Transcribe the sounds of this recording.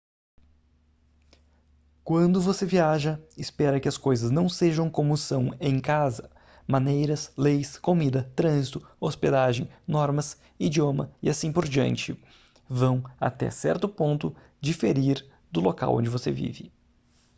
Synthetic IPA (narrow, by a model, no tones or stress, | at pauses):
kwɐ̃nd̪ʊvoseviaʒɐɪspɛɾɐkɪɐskojzɐznɐ̃w̃seʒɐ̃w̃kõmʊsɐ̃w̃ẽj̃kazɐ | mɐ̃nejɾɐslejskomid̪ɐt̪ɾɐ̃zit̪ʊosped̪aʒẽj̃nɔɾmɐs | id͡ʒiõmɐ̰ɪasĩpoɾd͡ʒiɐ̰̃nt͡ʃɪ | vɐ̃w̃a̰t̪ɛ̰sɛ̰ɾt̪ʊpõnt̪ʊ | d͡ʒifeɾiɾ | d̪ʊloka̰wʔõ̰d͡ʒɪvosḛvḭvɪ